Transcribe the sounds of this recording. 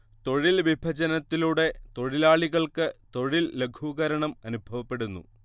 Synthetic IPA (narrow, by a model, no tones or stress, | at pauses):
t̪o̞ɻilʋibʱɐd͡ʑɐnɐt̪ːiluɽe̞t̪o̞ɻilaːɭiɣɐɭkɨt̪o̞ɻilːe̞ɡʰʱuɣɐɾɐɳɐmɐnubʱɐʋɐpːe̞ɽunːṵ